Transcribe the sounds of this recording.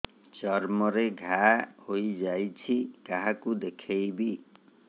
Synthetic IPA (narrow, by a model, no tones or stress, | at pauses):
t͡ʃɔɾmɔɾeɡʱahojd͡ʒajt͡ʃʰikaɦakud̪ekʰejbi